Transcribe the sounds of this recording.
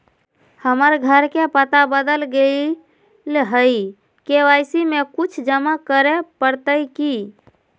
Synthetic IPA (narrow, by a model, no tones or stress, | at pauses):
həməɾɡʱəɾkepət̪abəd̪əlɡei | lɦəi | keʋajsimekut͡ʃʰd͡ʒəmakəɾepəɾt̪əjki